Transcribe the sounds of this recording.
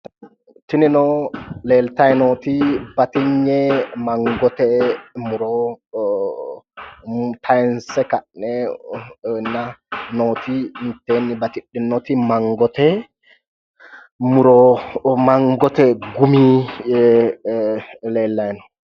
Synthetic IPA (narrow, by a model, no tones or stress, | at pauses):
tininɔlɛltajnotibatiɲːɛmaŋɡɔtɛmuɾɔ | tʰajnsɛkanɛ | nanotintenibatiɗːinːotimaŋɡɔtɛ | muɾɔmaŋɡɔtɛɡumiɛ | lɛlːajnɔ